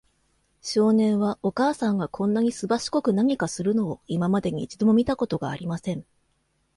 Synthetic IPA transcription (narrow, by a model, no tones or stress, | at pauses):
ɕo̞ːnẽ̞ɰ̃βao̞kaːsãŋɡakʰõ̞nːaɲ̟isɨbaɕi̥ko̞kɯ̟naɲ̟ikasɨɾɯ̟no̞ːimamad̪e̞ɲ̟ḭːt͡ɕid̪o̞mo̞mʲit̪ako̞t̪o̞ɡaːɾʲimasẽ̞ɴ